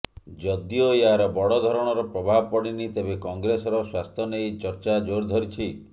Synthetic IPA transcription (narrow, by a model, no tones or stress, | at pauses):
d͡ʒɔd̪ioeɦaɾɔbɔɽɔd̪ʱɔɾɔɽ̃ɔɾɔpɾɔbʱabɔpɔɽ̃init̪ebekɔŋɡɾesɔɾɔswast̪ʰɔnejt͡ʃɔɾt͡ʃad͡ʒoɾd̪ʱɔɾit͡ʃʰi